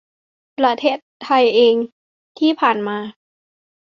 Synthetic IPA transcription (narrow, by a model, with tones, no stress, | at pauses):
pɾa˧t̪ʰeː˥˩t̪̚ʰːa˧jʔeː˧ŋ | t̪ʰiː˥˩pʰaː˨˩nmaː˧